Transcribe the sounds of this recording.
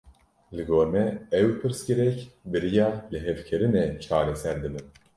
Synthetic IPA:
lɨɡoːɾmɛɛwpʰɨɾsɡɨɾɛcbɨɾijɑːlɨɦɛvkʰeɾɨnɛt͡ʃʰaːɾɛsɛɾd̪ɨbɨn

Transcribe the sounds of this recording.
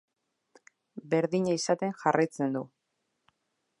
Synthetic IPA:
be̞ɾðiɲaisat̪e̞ŋxarajt͡se̞nd̪u

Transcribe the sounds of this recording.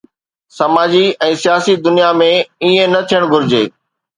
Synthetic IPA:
sɐmaːd͡ʑiɛ̃ːsijaːsid̪ʊnijamẽiẽnɐt̪ʰijəɽ̃ɡʱʊɾɪd͡ʑeː

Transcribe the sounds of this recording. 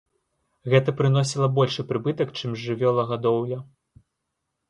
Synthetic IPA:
ɣɛt̪ɐpɾɨnɔs̬ʲilˠɐbɔlʲʂɨpɾɨbɨt̪ɐkt͡ʂɨmzʐɨvʲɔlˠɐɣad̪ɔwjɐ

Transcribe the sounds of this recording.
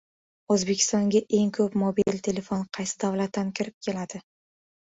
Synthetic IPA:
ozbe̞kʲʰɪ̥st̪ɒŋɡʲaʔe̞ŋkʰɵpmobilt̪ʰe̞le̞fonqʰɑjsɪd̪avlat̪ʰːankʲʰɪɾɪp̚kʲʰe̞lad̪̥ɪ

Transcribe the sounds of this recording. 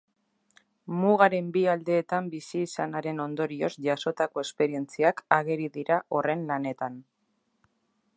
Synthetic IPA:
muɣ̞aɾe̞mbiald̪e̞ːt̪ambisiːsanaɾe̞no̞nd̪o̞ɾio̞zʝaso̞t̪ako̞e̞spe̞ɾie̞nt͡siakaɣe̞ɾiðiɾaʔo̞re̞nlane̞t̪an

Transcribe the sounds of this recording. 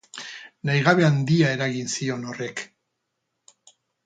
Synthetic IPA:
najɣ̞aβe̞and̪iae̞ɾaɣinsio̞nore̞k

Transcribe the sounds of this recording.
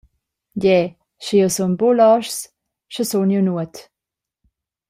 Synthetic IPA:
ɟɛ | ʃijosunbolɔʃs | ʃəsunjunuət

